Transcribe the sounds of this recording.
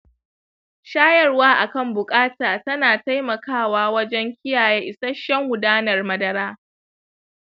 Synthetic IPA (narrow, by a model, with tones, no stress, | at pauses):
ʃaː˦jɐ˦rwaː˦ʔa˨kɐ˦˨mbʊ˨kʼaː˦taː˨tɐ˦naː˨ta˦jmɐ˨kaː˦˨waː˦wɐ˦d͡ʒɛ˦ŋkʲɪ˦jaː˨jeː˦ʔɪ˨sɐ˦ʃɐ˦ŋwʊ˨daː˦nɐ˨rmɐ˦dɐ˦ɾaː˦